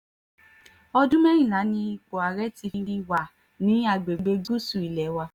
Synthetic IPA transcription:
ɔ˦dũ˦mɛ˦ɾ̃ĩ˨nã˨˦nĩ˦i˧k͡po˨a˨ɾɛ˦ti˧ɾi˦ɾi˦wa˨ | nĩ˨˦a˨ɡ͡be˨ɡ͡be˦ɡu˦su˨i˨lɛ˨˦wa˧

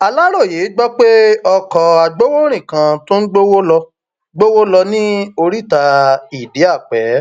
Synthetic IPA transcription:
a˧la˦ɾo˦˨je˨˦ɡ͡bɔ˦k͡pe˦ɔ˧kɔ˨a˨ɡ͡bo˦wo˦ɾ̃ĩ˦˨kã˧to˦n̩˦ɡ͡bo˦wo˦lɔ˧ | ɡ͡bo˦wo˦lɔ˧nĩ˦o˧ɾi˦˨ta˧i˨di˨˦a˦˨k͡pɛ˨˦

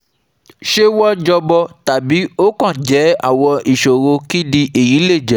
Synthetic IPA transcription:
ʃe˦wɔ˦d͡ʒɔ˧bɔ˧ta˨bi˨˦o˦kã˦˨d͡ʒɛ˨˦a̰˦˨wɔ˧i˨ʃo˨ɾo˧ki˦di˧ʔe˨ji˨˦le˦˨d͡ʒɛ˨˦

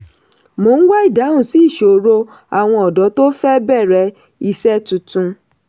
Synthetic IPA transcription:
mo˨˦n̩˦wa˦i˦˨da˨˦ũ˦˨si˨˦i˦˨ʃo˨ɾo˧ | a˨w̃ɔ̃˧ɔ˨dɔ˨˦to˦fɛ˦bɛ˦˨ɾɛ˨˧˦ | i˧sɛ˦tũ˨˧tũ˧

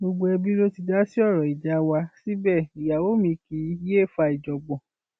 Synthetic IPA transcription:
bo˧ɡ͡bo˧ɛ˧bi˦ɾo˦ti˧d͡ʒa˦si˦ɔ˦˨ɾɔ˨i˨d͡ʒa˨˦wa˧si˦bɛ˦˨i˨ja˨wo˦mĩ˧˦ki˨˦je˦˨fa˧i˨d͡ʒɔ˨ɡ͡bɔ̃˨

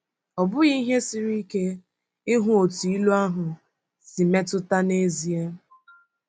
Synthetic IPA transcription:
ɔ˨bʊ˦ɣi˦ɦe˦si˦ɾi˦ke˦ | ɪ˦ɦʊ˦o˨tu˨i˦lu˦a˦ɦʊ˨ | si˨me˦tʊ˦ta˦ne˦zi˨e˦

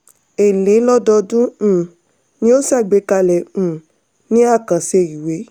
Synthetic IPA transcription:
e˨le˨˦lɔ˦dɔ˧dũ˦˨ | nĩ˧˦o˦sa˦˨ɡ͡be˨˧˦ka˧lɛ̃˨ | nĩ˦a˦˨kã˨se˧˨i˨we˨˦

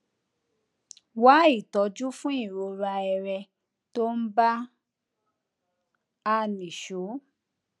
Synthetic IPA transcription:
wa˨˦i˦˨tɔ˨˧˦d͡ʒu˦fũ˦i˦˨ɾo˧˦ɾa˧ɛ˧ɾɛ˧ | to˦n̩˦ba˦ | a˦˧˨nĩ˨ʃo˨˦

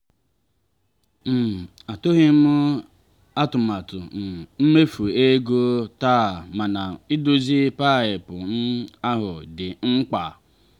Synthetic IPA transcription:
m̩˨a˨to˦ɦi˦m̩˦ | a˦tʊ˨ma˨tʊ̰˨n̩˨m̩˦me˦fu˨e˦ɡo˦ta˦˨ma˨na˨ɪ˦do˦zi˦pa˦˨ɪ˨pʊ˨n̩˦a˦ɦʊ˨dɪ˨ŋ͡m̩˦k͡pa˨

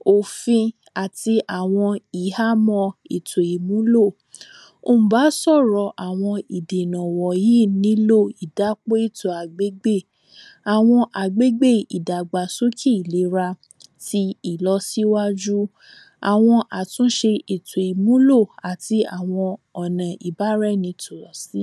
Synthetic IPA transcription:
o˨fĩ˧ | a˨ti˧ʔa˨w̃ɔ̃˧i˨ha˦mɔ̃˧i˨tʰo˨i˨mũ˨˦lo˦˨ | o˦˨m̩˨ba˨˦sɔ˦˨ɾɔ˨˧ʔa˨w̃ɔ̃˧i˨de˨nɔ̃˨wɔ˨ji˦nĩ˨˦lo˦˨i˨da˨˦k͡po˦i˦˨tɔ˨a˨ɡ͡be˨˦ɡ͡be˦˨ | a˨w̃ɔ̃˧ʔa˨ɡ͡be˦ɡ͡be˦˨i˨da˨ɡ͡ba˨so˦kʰi˦i˨le˨˦ɾa˧ | ti˧i˨lɔ˧si˦wa˦d͡ʒu˦ | a̰˨w̃ɔ̃˧ʔa˨tũ˦ʃe˧i˨to˨i˨mũ˨˦lo˦˨a˨ti˧a˨w̃ɔ̃˧ɔ˨nã˨ʔi˨ba˨˦ɾɛ˦nĩ˧tʰo˨lɔ˨si˦

